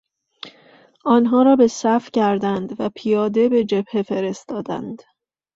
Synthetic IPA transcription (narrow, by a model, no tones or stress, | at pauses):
ʔɒːnɦɒːɾɒːbe̞sæfcʰæɾd̪ænd̪væpʰijɒːd̪e̞be̞d͡ʒe̞bhe̞fe̞ɾe̞st̪ɒːd̪æ̰nd̪̥